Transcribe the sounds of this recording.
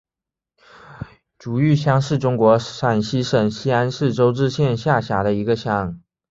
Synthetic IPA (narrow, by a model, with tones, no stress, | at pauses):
ʈ͡ʂu˨˩y˥˩ɕjɑ˥ŋʂɻ̩˥˩ʈ͡ʂʊ˥ŋkwɔ˧˥ʂa˨˩nɕi˥ʂə˨˩ŋɕi˥a˥nʂɻ̩˥˩ʈ͡ʂo˥ʊʈ͡ʂɻ̩˥˧ɕjɛ˥˧nɕja˥˩ɕja˧˥ɾə˧i˧˥ɡə˧ɕjɑ˧˥ŋ